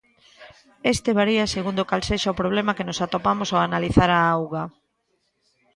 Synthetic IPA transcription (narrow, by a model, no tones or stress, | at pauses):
est̪eβaɾiaseɣund̪okalseʃaopɾoβ̞lemakenosat̪opamosoanaliθaɾaawɣa